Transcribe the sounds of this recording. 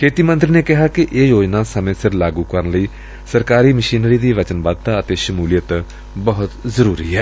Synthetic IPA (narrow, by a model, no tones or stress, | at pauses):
kʰeːt̪iːmə̃nt̪ɾineːkɪɦaːkɪʔeːjoːd͡ʒnaːsəmẽːsɪɾlaːɡuːkəɾənləiː | səɾkaːɾiːməʃiːnɾiːd̪iːʋət͡ʃənbaːd̪̚t̪aːət̪eːʃəmuːlɪjət̪ | bəɦʊt̪zəɾuːɾḭːɦɛː